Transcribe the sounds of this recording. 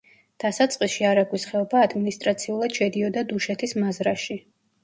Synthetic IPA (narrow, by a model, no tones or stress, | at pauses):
d̪̥asat̪sʼqʼisʃiaɾaɡwisχɛɔbaːd̪minist̪ʼɾat̪sʰiulˠad̪̥ʃɛd̪iɔd̪ad̪uʃɛt̪ʰismazɾaʃi